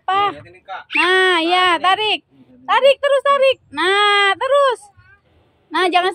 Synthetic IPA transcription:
pah | naijat̪aɾɪk̚ | t̪aɾɪk̚t̪əɾʊst̪aɾɪk̚nat̪əɾʊs | nahd͡ʒaŋans

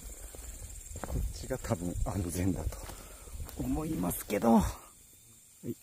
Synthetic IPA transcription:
kʰo̞t͡ɕiɡat̪ʰabɯ̟̃ŋãnd͡zẽ̞nd̪at̪o̥ | omo̞imasɨ̥ke̞d̪o

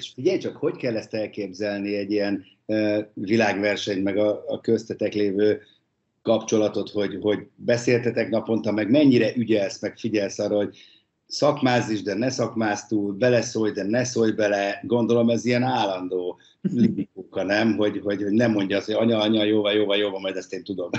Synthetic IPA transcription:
eʃfiɟɛjt͡ʃɒkho̞ckɛlːɛst̪ɛlkeːbzɛlniɛɟiɛn | øvilaːɡʋɛrʃɛɲt̪mɛɡɒːkøst̪ɛt̪ɛkleːvøː | kɒpt͡ʃo̞lɒt̪o̞t̪ho̞ɟho̞ɟbɛseːlt̪ɛt̪ɛknɒpo̞nt̪ɒmɛɡmɛɲːiɾɛʔyɟɛlsmɛkfiɟɛlsɒrːoːɦo̞ɟ̚ | sɒkmaːziʒd̪ɛnɛsɒkmaːst̪uːlbɛlɛsojd̪ɛnɛsojbɛlɛɡo̞nd̪o̞lo̞mɛzijɛnaːlːɒnd̪oː | libikuːkɒnɛmɦo̞ɟɦo̞ɟho̞ɟnɛmːo̞ɲɟɒːshoɟɒɲɒɒɲɒjoːvɒljoːvɒljoːvɒmɒjd̪ɛst̪eːnt̪ud̪o̞m

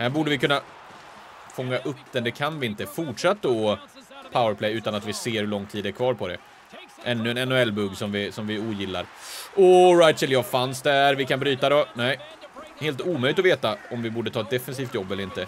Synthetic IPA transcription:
hæːɾbuːɖəvɪkʰɵnːa | fɔŋːaʔɵpːd̪ɛnd̪ɛkʰanvɪɪnt̪əfʊʈʂat̪ː | pʰaʊəɾpʰlɛjʉ̟ːt̪anat̪vɪseːɾhɵɭɔŋt̪ʰiːd̪æɾkʰvɑːɾpʰɔd̪ɛ̰ | ʔɛnːɵɛnɛnːʊɛlːbɵɡsɔmvɪsɔmvɪuːjɪlːa̰ɾʔɔɾajt̪sɛljɑːfansd̪æɾvɪkʰanbɾyːt̪ad̪ɔnɛɪ | heːlt̪uːmœjlɪt̪ɔveːt̪aɔmvɪbuːɖət̪ʰɑːɛt̪̚d̪ɛfɛns̬iːft̪jɔbːɛlːɾɪnt̪ə

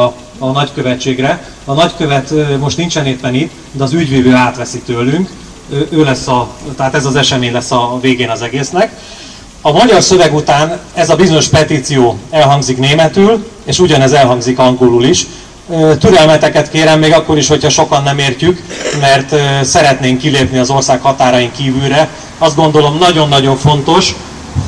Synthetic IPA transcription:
nɒckø̞vɛt͡ʃːeːɡrɛ | ɒnɒckøvɛt̪mo̞ʃt̪nint͡ʃɛneːt̪pɛnit̪ː | d̪ɛɒzyɟveːvøːaːt̪ʋɛsit̪øːlːyŋkː | ʔøːlɛsːɒt̪ɛɦaːt̪ɛzɒzɛʃɛmeːɲlɛsːɒveːɡeːnɒzɛɡeːsnɛk | ɒmɒɟɒrsø̞vɛɡut̪aːnɛzɒbizoɲo̞ʃpɛt̪it̪sijoːɛlɦɒŋɡzikneːmɛt̪yːl | eːʃuɟɒnɛzɛlɦɒŋɡzikɒŋɡoluliʃ | t̪yɾɛlmɛt̪ɛkɛt̪keːɾɛmːeːɡɒkːo̞ɾiʃho̞chɒʃo̞kɒnːɛmeːrcykmɛrt̪sɛɾɛt̪neːŋkːileːpniɒzo̞rsaːkhɒt̪aːɾɒjiŋkiːvylɾɛ | ɒst̪ɡo̞nd̪o̞lo̞mnɒɟo̞nːɒɟo̞ɱfo̞nt̪o̞ʃ

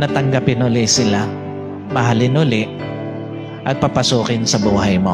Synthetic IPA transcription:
nɐt̪ɐŋɡapɪnʊlɪsɪla | mɐɦalɪnʊlɪʔ | ʔɐɡ̚pɐpɐsuːkɪnsɐbuːɦɐjmo

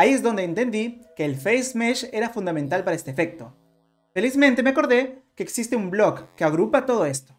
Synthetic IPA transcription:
aie̞zðo̞nd̪eːnt̪e̞nd̪ike̞ːlfejsmeʃe̞ɾafund̪ament̪alpaɾae̞st̪efe̞k̚t̪o̞ | fe̞lizmẽnt̪e̞meako̞ɾðe̞keːksist̪eumblo̞kːe̞aɣɾupat̪o̞ð̞o̞e̞st̪o̥

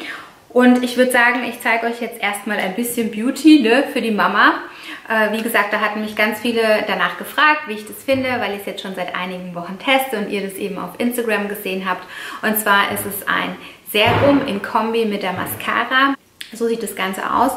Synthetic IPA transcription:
ʔʊntɪçv̥ʏɐdəzaːɡŋ̩ɪçt͡saɪɡəɔʏçjɛt͡stʔeːɐstmaːla̰ɪnbɪsçənbjuːtʰinəfyːɐdiːmama | ʔɛːviːɡəzaːk̚td̥aːɦatn̩mɪçɡ̥ant͡sfiːləd̥anaːχɡ̥əfʁ̥aːk̚tv̥iːɪçd̥asfɪndəvaɪlɪçjɛt͡stʃoːnzaɪtʔa̰ɪnɪɡŋ̩vɔχn̩tʰɛstəʊntiːɐdasʔeːbm̩a̰ʊfʔɪnstaɡʁamɡəzeːənɦaːptʔʊntt͡sv̥aːɐʔɪstɛsʔa̰ɪn | z̥eːɐʁʊmʔɪ̰mkʰɔmbimɪt̚d̥eːɐma̰skʰa̰ːʁa | zoːziːt̚d̥asɡ̥ant͡sə̰ʔa̰ʊs

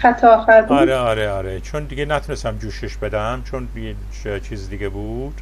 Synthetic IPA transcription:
xæt̪ʰɒxæɾd̪ɒɾeɒːɾeɒːɾet͡ʃʰond̪iɡʲenæt̪ʰunest̪æmd͡ʒuːʃeʃbe̞d̪æmt͡ʃʰonje | t͡ʃʰiːzid̪iɡʲebuːd̪̥

